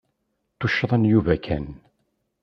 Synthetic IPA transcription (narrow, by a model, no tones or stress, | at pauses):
t̪uʃːðˤənjuvækʰæn